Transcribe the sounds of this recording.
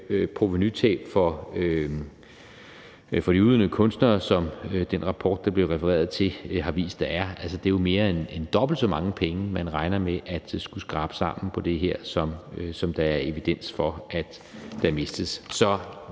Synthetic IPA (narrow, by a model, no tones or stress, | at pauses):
pʰʁo̝ʋenyt͡sʰɛ̰̥ːfɒø | fɒ̽ɾ̥iuːðˠnəkʰɔ̽nsd̥nɐːsɒ̽md̥enʁɑ̈pʰɒːd̥ːɑ̈b̥le̝ʁɛfəʁɛ̰ːɐð̩ˠt͡sʰe̝ɦɑ̈ʋḭːsd̥ːɑ̈æɐælsəd̥e̝jo̝me̝ːɐe̝nend̥ɒ̽b̥l̩d̥sɒ̽mɑ̈ŋəpʰeŋəmænʁɑ̈ɪnɐmeʔæd̥sɡ̥usɡ̥ʁɑ̈ːb̥ə̥sɑ̈m̰n̩pʰɒ̽d̥e̝ɦeɐ̰sɒ̽msɒ̽md̥ɑ̈æɐe̝ʋid̥en̰sfɒ̽æd̥ | d̥æ̈me̝sd̥əssɒ̽